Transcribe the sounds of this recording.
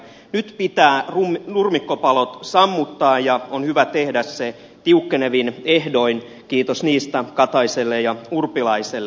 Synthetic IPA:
nyt̪pit̪æːrunurmikːopɑlot̪sɑmːut̪ːɑːjɑonhyʋæt̪ehdæsse | t̪iukːeneʋinehdoin | kiːt̪osniːst̪ækɑt̪ɑiselːejɑurpilɑiselːe

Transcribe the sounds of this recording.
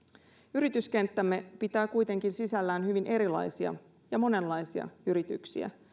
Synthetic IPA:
yɾit̪yske̞nt̪ːæmːe̞pit̪æːkujt̪e̞ŋkinsisælːæːnɦyʋinʔe̞ɾilɑ̰jsiɑ̰ | jɑmo̞ne̞nlːɑjsiɑ̰yɾit̪yksḭæ̰

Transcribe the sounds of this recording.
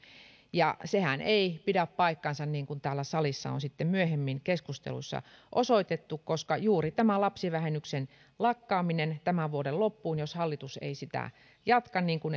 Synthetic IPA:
jɑ̰sehæneipiɾæppɑikːɑnsɑnniːŋkunt̪æːlːæsɑlisːɑ̰o̰nsit̪ːemmyøhemːinkeskust̪ḛlṵsːɑ̰ʔosoit̪et̪ːukkoskɑjuːrit̪æmælɑpsiʋæhenyksen | lɑkːɑːminent̪æmæʋuoɾellopːuːnjoshɑlːit̪usḛisit̪æ̰ | jɑt̪kɑnniːŋkun

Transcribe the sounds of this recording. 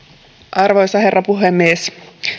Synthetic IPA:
ʔɑrʋojsɑhe̞rːɑpuɦemːies

